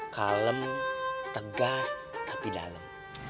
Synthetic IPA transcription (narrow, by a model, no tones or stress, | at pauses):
kaləmt̪əɡast̪ḁpida̰ləm